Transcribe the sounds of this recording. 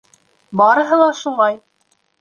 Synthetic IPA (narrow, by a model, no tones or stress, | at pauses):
bɑɾɤ̆ɦɤ̆lˠɑʃulˠɑj